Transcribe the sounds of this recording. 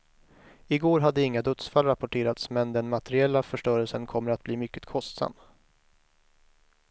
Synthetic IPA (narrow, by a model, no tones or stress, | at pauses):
ɪɡoːɾɦad̪ːəɪŋːad̪ɵt̪sfalɾapʊʈʰeːɾat̪smɛnd̪ɛnmat̪ʰɛɾɪɛlːafœʂʈœːɾɛlsənkʰɔmːəɾat̪̚b̥liːmʏkːə̥t̪kʰɔst̪sa̰mː